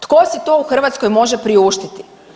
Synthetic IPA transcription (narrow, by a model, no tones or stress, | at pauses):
t̪kosit̪o̞ːuxr̩ʋat̪sko̞jmo̞ʒepɾiuːʃt̪it̪i̥